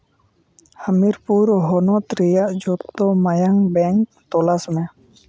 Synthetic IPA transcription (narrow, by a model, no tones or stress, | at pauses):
həmiɾpuːɾɦonoːt̪ɾijaʔd͡ʒoːt̪ːoməjəŋbɛŋk̚ | t̪oːlasmẽ